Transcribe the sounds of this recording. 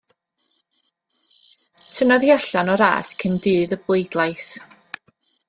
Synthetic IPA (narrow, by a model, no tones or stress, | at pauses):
tʰənɔðjɔɬanɔɾa̰ːskʰəndɨːðəblˠejdlˠajs